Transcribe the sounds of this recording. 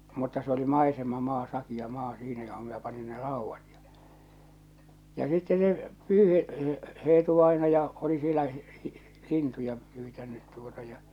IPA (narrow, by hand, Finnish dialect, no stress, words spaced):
mutːɑ se oli mɑisemɑmɑː sɑkij̆ɑ mɑː siːnæ joho minæ pɑni ne rɑˑuʋːɑt j̊ɑ̥ jɑ sitːe ne pyːheʔ eːtuʋɑinɑjɑ oli sielæ lintujɑ pyːtænːyt tuotɑ jɑ